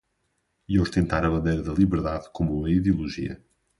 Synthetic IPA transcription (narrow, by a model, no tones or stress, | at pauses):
iowʃt̪ẽnt̪aɾɐβɐ̃nd̪ejɾɐðɐlˠiβɨɾðaðkomuɐiðiulˠuʒḭɐ̰